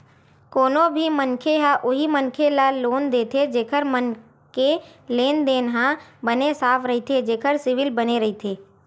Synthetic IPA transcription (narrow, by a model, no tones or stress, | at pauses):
koːnõbʱimənkʰeɦãʔʊɦimənkʰelaloːnd̪eːt̪ʰed͡ʒeːkʰəɾmən | ke | leːnd̪eːnɦãbənesaːfʰɾɐɦit̪ʰed͡ʒeːkʰəɾsɪʋɪlbəneɾɐɦit̪ʰeː